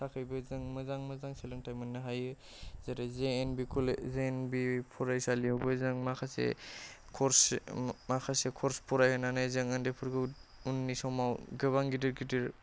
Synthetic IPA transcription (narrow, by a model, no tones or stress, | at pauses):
tʰakʰɯjbɯzɯŋmɯzaŋmɯzaŋselɯŋtʰajmɯnːɯɦajɯ | zeɾazenbikʰɔlzeːnbipʰɔɾajsalijawbɯzɯŋmakʰasḛkʰɔɾsmakʰasekʰɔɾspʰɔɾajhɯnanajzɯŋɯndepʰɯɾɡɯunːisɔmawɡɯβaŋɡidɯɾɡidɯɾ